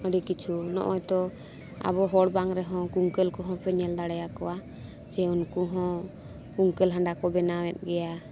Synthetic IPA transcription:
əɖikit͡ʃʰunɔ̰ʔɔjt̪ɔ | a̰bɔɦɔɽbaŋɾɛɦɔ̃kuŋkɛlkɔɦɔ̃pɛɲɛld̪aɽɛjakɔwa | t͡ʃɛunkuɦɔ̃ | kuŋkɛlɦãɳɖakɔbɛnawɛt̪̚ˀɡɛja

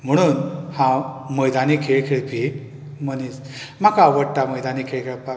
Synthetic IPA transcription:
m̤əɽ̃uːnhãməjd̪anikʰeɭkʰeɭpi | mənis | makaːʋəɽt̪aməjd̪anikʰeɭkʰeɭpa

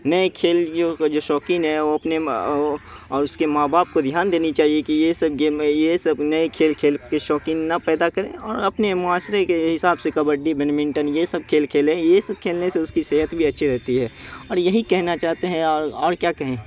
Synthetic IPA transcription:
nɐekʰeːljod͡ʒoːʃɔːkinɦɛʋoɐpne | ɔːɾʊskemaːbʱaːp̚kod̪ʱjaːnd̪eːnit͡ʃaːɦiekijesɐb̚ɡejesɐbnɐekʰeːlkʰeːlkeʃɔːkinnɐpɛːd̪akɐɾḛ̃ɔːɾɐpnemʊaːsɾekeɦɪsaːbsekɐbəɖibɐnmɪ̃ɳʈənjesɐb̚kʰeːlkʰeːlẽjesɐb̚kʰeːlneseʊskiseːɦət̪bʱiɐtːʃʰiɾɛɦt̪iɦɛːɔːɾjɐɦikɛɦnat͡ʃaːɦt̪eɦɛ̃ɔːɾɔːɾkjaːkɐɦẽː

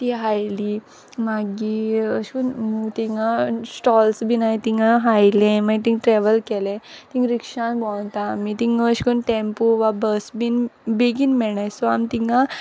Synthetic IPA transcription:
t̪iɦajli | maɡiəɕkunmut̪iŋɡasʈɔlsbʱinait̪iŋɡaɦajlɛ̃maɡt̪ĩŋɡʈɾɛʋəlkɛlɛ̃t̪ĩŋɡɾikʂãnbɔ̃w̃t̪amit̪iŋɡəɕkunʈẽmpoʋabəsbinbeɡiːnmɛɳajsɔamt̪iŋɡã

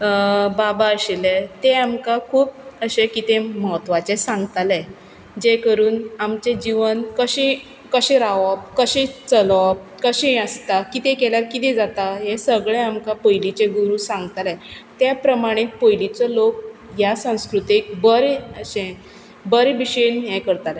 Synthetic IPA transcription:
babaəɕelet̪eamkakʰuːp̚əɕekit̪eməɦət̪ʋat͡sesãŋɡt̪alɛ | d͡ʑekəɾuːnamt͡ɕed͡ʑiʋənkəɕĩ | kəɕẽɾaʋɔp̚kəɕẽt͡səlɔp̚kəɕẽəst̪akit̪ẽkɛljaɾkit̪̬ɛ̃d͡zat̪aɦesəɡɭeamkapəjlit͡ɕeɡuɾusãŋɡt̪alɛt̪japɾəmaɽ̃it̪̚pəjlit͡sɔlok̚ | jasə̃w̃skɾut̪ik̚bəɾeəɕẽ | bəɾebiɕənjɛ̃kəɾt̪alɛ

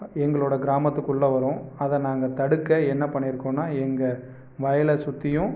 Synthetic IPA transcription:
ɛŋɡɐɭoːɽɐɡɪɾaːmɐt̪ːɯkːʊɭːɐʋɐɾõːɐðɐnaːŋɡɐt̪ɐɽɯkːɐɛnːɐpɐɳːɪɾɯkːõːnːaːɛŋɡɐ | ʋɐjɐlɐsʊt̪ːɪjʊ̃

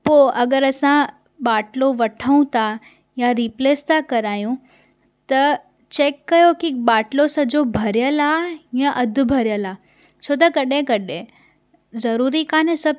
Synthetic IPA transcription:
poːʔɐɡəɾɐsã | ɓaːʈloʋɐʈʰəũt̪ʰa | jaɾipleːst̪ʰakɐɾaːjũ | t̪ɐ | t͡ɕeːkːɐjokiɓaːʈlosɐd͡ʑobʱɐɾɪjəlaːjãʔɐd̪ʱʊ̆bʱɐɾjəlaː | t͡ɕʰoːt̪̬ɐkɐɗẽkɐɗẽ | zɐɾuːɾikaːnẽsɐb

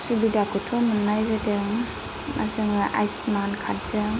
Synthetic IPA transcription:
subidakutʰumɯnːajzɯdɯŋ | ma̰ɾzɯŋʔa̰jsmankʰat̚z̥ɯ

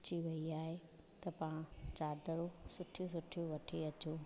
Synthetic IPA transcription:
t͡ɕiʋɐiaːɦe | t̪ɐpãt͡ɕaːd̪əɾosʊʈʰjosʊʈʰijoʋɐʈʰeɐt͡ɕoː

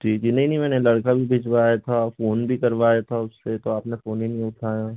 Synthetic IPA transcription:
d͡ʒʰʱiːkd͡ʒiːnɐɦĩnɐɦĩmɛːnelɐɽkabʱibʱɪd͡ʒʋaːjat̪ʰafoːnbʱikɐɾʋaːjat̪ʰaʊsːet̪oaːpnefoːnɦinɐɦĩʊʈʰaːjaː

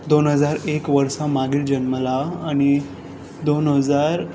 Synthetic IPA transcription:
d̪onɦəd͡zaɾekʋəɾsãmaɡiːld͡ʑənməlaːɽ̃i | d̪onɦəd͡zaɾ

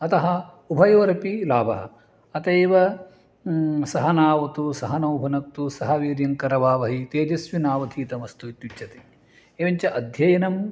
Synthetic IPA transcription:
ɐt̪ɐɦɐ̆ | ubʱɐjɐʋɐɾɐpilaːbʱɐ̰ɦɐ̰̆ | ɐt̪ɐːʋɐ | sɐɦɐnaːʋɐt̪usɐɦɐnɐwbʱɐnɐk̚t̪usɐɦɐʋiːɾjɐŋkɐɾɐʋaːʋɐɦit̪eːd͡ʒɐsʋinaːʋɐd̪ʱiːt̪ɐmɐst̪ut̪jut͡ʃʰɐt̪i̥ | eːʋɐɲt͡ʃɐʔɐd̪ʱjɐjɐnɐm

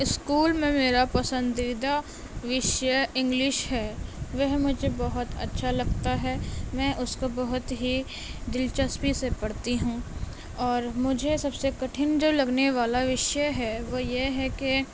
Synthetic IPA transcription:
ɪskuːlmẽmeːɾapɐsə̃nd̪id̪a | ʋɪʃjəɪ̃ŋɡlɪʃɦɛːʋɐɦmʊd͡ʒʱebɐɦʊt̪ɐ̰tːʃʰalɐɡt̪aɦɛmɛ̃ːʔʊskobɐɦʊt̪ɦi | d̪ɪlt͡ʃəspisepɐɽ̤t̪iɦũː | ɔːɾmʊd͡ʒʱesɐbsekɐʈʰɪnd͡ʒoːlɐɡneʋaːlaʋɪʃjəɦɛʋoːjeɦɛke

